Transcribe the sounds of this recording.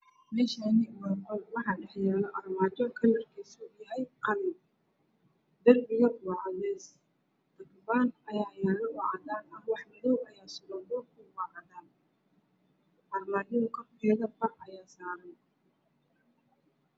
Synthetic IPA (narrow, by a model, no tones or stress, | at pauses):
mɛːʃaːnɪwaːqɔlwɑħɑːɖɛħjɛːlɔʔɐrmaːd͡ʒɔkʰɐlɐrkʰisʊjɐɦɛjqɑlɪn | d̪ɐrbɪjɐwɑʕɑðɛːs | d̪̥ɐɡbaːnɐjaːjaːlɔʔʊʕɑðaːnɐwɑħmɪðɔwɐjaːsʊɾɐd̪ɔkʊwɑʕɑðaːn | ʔɐrmaːd͡ʒɔːŋkʰɐfɪjɛðɐfɑqɐjaːsaːɾɐn